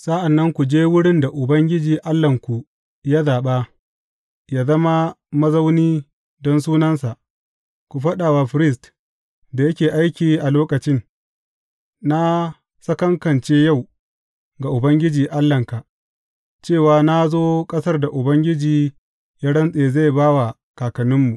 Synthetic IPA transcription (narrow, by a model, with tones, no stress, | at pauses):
sa˦ʔa˨nːɐ˦ŋkʷu˨d͡ʒeː˦wʊ˦ɽɪ˦nda˨ʔʊ˨bɐ˦ŋɡʲɪ˦d͡ʒiː˨ʔa˦lːɐ˨ŋkʷu˨ | ja˦zaː˨ɓaː˦ | jaː˦zɐ˦ma˦mɐ˦za˦wniː˦ | dɔ˦nsuː˦nɐ˦nsa˨ʔ | kʷu˨ɸɐ˦ɗaː˨waː˨ɸɪ˦ɾɪ˦s̬t | da˨jɐ˦kʲeː˨ʔa˦jkʲiː˨ʔa˨loː˦kɐ˨t͡ʃɪ˦n | na˦ | sɐ˦kɐ˦ŋkɐ˨nt͡ʃeː˦ja˦˨w | ɡa˨ʔʊ˨bɐ˦ŋɡʲɪ˦d͡ʒiː˨ʔa˦lːɐ˨ŋka˨ʔ | t͡ʃeː˦˨waː˨na˦zoː˦kʼɐ˦sɐ˦rda˨ʔʊ˨bɐ˦ŋɡʲɪ˦d͡ʒiː˨ | jaː˦ɽɐ˦nsʼeː˨za˦˨jbaː˦wa˨ | kaː˨kɐ˨nɪ˦mːu˨ʔ